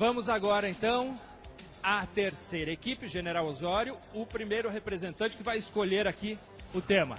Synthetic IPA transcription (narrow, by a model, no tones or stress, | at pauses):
vɐ̃mʊzaɡɔɾɐẽnt̪ɐ̃w̃ | at̪eɾsejɾɐekipɪʒeneɾawozɔɾjʊʊpɾimejɾʊɦepɾezẽnt̪ɐ̃nt͡ʃɪ̥kɪvajɪskoʎeɾaki | ʊt̪ẽmɐ̰